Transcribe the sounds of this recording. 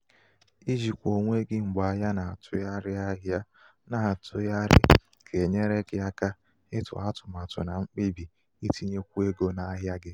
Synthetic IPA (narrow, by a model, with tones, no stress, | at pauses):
i˦d͡ʒi˨kʷo˨ŋʷe˦ɡɪ˦ŋ͡m̩˨ɡ͡ba˨ɦja˦na˨a˨tʰʊ˨˦ja˦ɾɪ˦a˦ɦja˦ | na˨tʊ˦ja˦ɾɪ̰˦ | kʰe˨ɲe˦ɾe˦ɡɪ˦a˦ka˦ | ɪ˦tʊ̰˨a˦tʊ̥˨ma˨tʊ̰˨na˨ŋ͡m̩˦k͡pi˦bi˨ | i˦tʰi˦ɲe˦kʷu˦e˦ɡo˦na˨˦ɦja˦ɡɪ˦